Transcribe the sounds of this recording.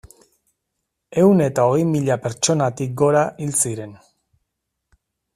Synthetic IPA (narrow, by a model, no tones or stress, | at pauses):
e̞wne̞t̪ao̞ɣe̞jmiʎape̞ɾt͡ʃo̞nat̪ik̚ɡo̞ɾaʔilt͡siɾe̞n